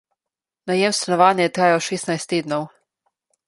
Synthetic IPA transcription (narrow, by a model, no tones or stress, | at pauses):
najɛmst̪anɔʋaːnjɛjɛt̪ɾaːjaʃeːsnajst̪ːeːd̪nɔw